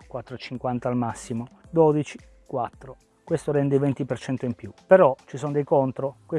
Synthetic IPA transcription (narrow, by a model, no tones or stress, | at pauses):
kwat̪ːɾoet͡ʃiŋkwant̪aːlmasːimod̪oːd̪it͡ʃi̥ | kwat̪ːɾo | kwest̪oɾɛnd̪event̪ipert͡ʃɛnt̪oimpjupeɾɔt͡ʃisonod̪ejkont̪ɾokwe